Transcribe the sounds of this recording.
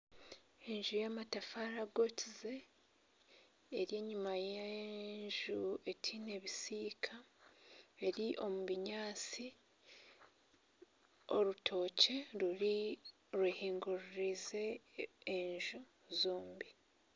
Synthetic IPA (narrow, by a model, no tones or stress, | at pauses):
e̞ɲʒujamatafaɾaɡotʰize̞ | ɾje̞ːɲumajeɲʒue̞tʰine̞βisiːkʰa | e̞ɾiʔo̞muβiɲaːt͡si | o̞ɾutʰo̞ːce̞ɾui | ɾwehiːŋɡuɾuɾize̞ː | ɲʒu | zoːmbi